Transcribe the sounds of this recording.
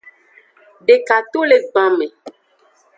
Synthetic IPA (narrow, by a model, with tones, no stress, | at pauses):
ɖe˨ka˨t̪o˦le˨ɡ͡bã˨mẽ˨